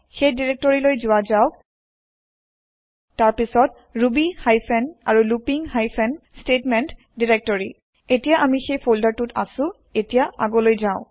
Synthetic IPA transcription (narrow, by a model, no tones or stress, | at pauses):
xejdiɹɛk̚tɔɹilojzʊazaʊ | taɹpisɔt | ɹubihajpʰɛnaɹulupiŋhajpʰɛnstetmɛnt | diɹɛk̚tɔɹi | etijaʔamixejpʰoldaɹtuta̰sʊ̃ | etijaa̰ɡɔlojzaʊ̃